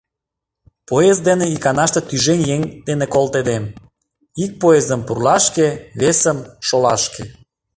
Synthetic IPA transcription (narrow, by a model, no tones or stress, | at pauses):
poezd̪eneikɑnɑʃt̪et̪yʒenʲjeŋd̪enekolt̪ed̪em | ik̚poezəmpurlɑʃkeβesəmʃolɑ̰ʃke